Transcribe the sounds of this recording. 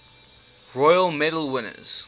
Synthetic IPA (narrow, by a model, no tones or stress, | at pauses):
ɹɔjəlˠmɛɾəl̩ˠwɪnə̰z̥